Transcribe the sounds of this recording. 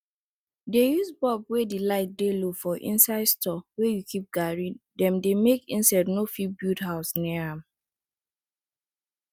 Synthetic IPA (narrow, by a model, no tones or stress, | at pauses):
dejusbɔbwedilaɪt̚delofɔʔḭ̃nsaɪdstɔwɛjukʰip̚ɡaɹidɛ̃mdemekḭ̃nsaɪdnofibutɦaʊsniãm